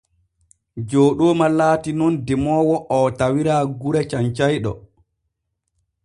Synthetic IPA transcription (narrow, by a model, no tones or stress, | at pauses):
d͡ʒoːɗoːmalaːtinɔndɛmɔːwɔʔɔtawiɾaːɡuɾɛt͡ʃaɲt͡ʃajɗɔ̰